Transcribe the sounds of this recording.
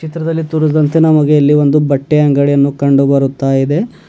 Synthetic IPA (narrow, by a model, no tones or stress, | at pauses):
t͡ʃit̪ɾɐd̪ɐlːit̪uɾusɐd̪ɐnt̪enɐmɐɡeɐlːiʋo̞nd̪ubɐʈːeɐŋɡɐɭijɐnːukɐɳɖubɐɾut̪ːaːjid̪e̞